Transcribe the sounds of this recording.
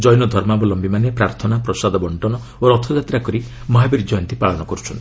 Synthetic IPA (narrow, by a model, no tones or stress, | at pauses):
d͡ʒɔjɔnɔd̪ʱɔɾmabɔlɔmbimanepɾaɾt̪ʰɔnapɾɔsad̪ɔbɔɳʈɔnɔ | oɾɔt̪ʰɔd͡ʒat̪ɾakɔɾi | mɔɦabiɾid͡ʒɔjɔnt̪ipaɭɔnɔkɔɾut͡ʃʰɔnt̪